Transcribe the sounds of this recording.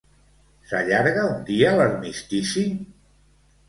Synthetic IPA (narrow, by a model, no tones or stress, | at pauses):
sa̰ʎaɾɣaund̪iaːlaɾmist̪isi